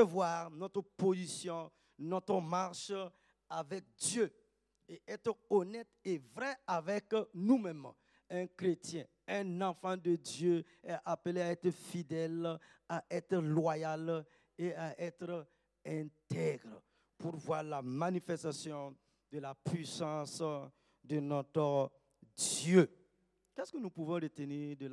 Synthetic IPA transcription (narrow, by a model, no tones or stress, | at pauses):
əvwaʁnɔt̪ʁəpozisjɔ̃ | nɔt̪ʁəmaʁʃ | avɛk̚d̪jø | eʔɛt̪χɔnɛt̪evʁɛavɛknumɛm | ɛ̃kʁet̪jɛ̃ | ɛ̃nãfɑ̃d̪əd̪jø | eaʔapəleaɛt̪ʁəfid̪ɛl | aʔɛt̪ɾlwajal | eaʔɛt̪ɾ | ɛ̃t̪ɛɡɾ | puɾvwaʁlamanifɛst̪asjɔ̃ | d̪əlapɥisɑ̃s | d̪ənɔt̪ɾə | d̪jø | kɛskənupuvɔ̃ɾət̪eniːʁd̪əl